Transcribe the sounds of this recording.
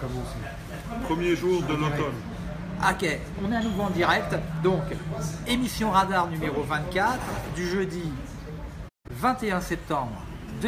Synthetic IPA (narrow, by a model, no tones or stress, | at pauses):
kmi | pχəmjeʒuʁd̪əlot̪ɔn | ɔkʲe | ɔ̃nɛ̃nuvɑ̃d̪iʁɛk̚t̪d̪ɔ̃kemisjɔ̃ʁad̪aʁnymeʁovɛ̃t̪kʲat̪χd̪yʒød̪i | vɛ̃t̪eɛ̃sɛp̚t̪ɑ̃bʁ | d̪